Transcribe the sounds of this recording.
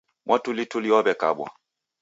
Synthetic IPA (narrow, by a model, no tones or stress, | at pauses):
mʔɔtulituliɔbɛka̰ɓwɔ̰